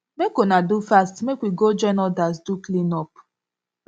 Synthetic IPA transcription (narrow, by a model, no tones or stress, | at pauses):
mekonadufastmekʷiɡod͡ʒɛnɔdasduklinɔp